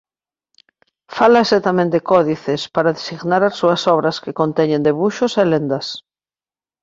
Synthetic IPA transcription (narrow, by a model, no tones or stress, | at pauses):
falaeset̪amẽnt̪d̪ekɔðiθespaɾaðesiɣnaɾasuɐsɔβɾɐskekõnt̪ɛɲẽnd̪eβuʃoselend̪ɐs